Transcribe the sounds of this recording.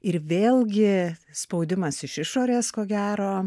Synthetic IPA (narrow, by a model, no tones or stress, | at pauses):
ɪɾʋʲeːlʲˠɡʲɪspɐʊd̪ʲɪmɐsɪʃɪʃoːɾʲeːskoːɡʲæːɾoː